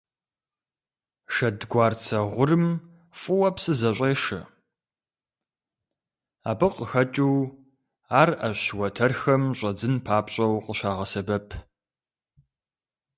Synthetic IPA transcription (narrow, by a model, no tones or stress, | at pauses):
ʃɐdɡʷɑːrt͡sʰɐʁʷʊrɨm | fʼʊwɐpsɨzɐɕʷʼeːʃɐ̰ | a̰ːbɨqəxɐt͡ʃʼuw | aːrɐɕɕwɐtʰɐrxɐmɕʼɐd͡zɨnpʰaːpɕʼɐwqəɕaːʁɐsɐbɐpʰ